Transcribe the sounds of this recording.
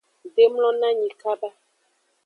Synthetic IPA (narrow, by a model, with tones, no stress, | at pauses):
ɖe˦ml̃ɔ̃˦nã˦ɲĩ˨ka˦ba˦